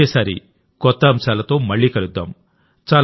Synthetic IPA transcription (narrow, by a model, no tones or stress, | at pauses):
ɛːsaːɾḭ | kɔt̪ːɐɐmʂaːlɐt̪o̞ːmɐɭːiːkɐɭud̪ːa̰ːm | t͡ʃaːl